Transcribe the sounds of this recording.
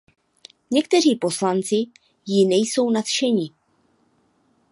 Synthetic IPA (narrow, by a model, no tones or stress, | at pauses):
ɲɛkt̪ɛriːpo̞slant͡sɪ | jɪnɛjso̞wnat̪ʃɛɲɪ